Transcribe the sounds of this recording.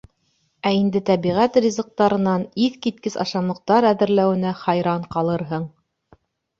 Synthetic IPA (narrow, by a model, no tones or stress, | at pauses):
æind̪ɘt̪æβiʁæt̪rʲizɤ̆q̚t̪ɑɾɤ̆nɑniθkit̪̚kɘsɑ̰ʃɑmɤ̆q̚t̪ɑɾæðɘ̆ɾlæwɘ̆næχɑjɾɑɴqɑlˠɤɾɦɤɴ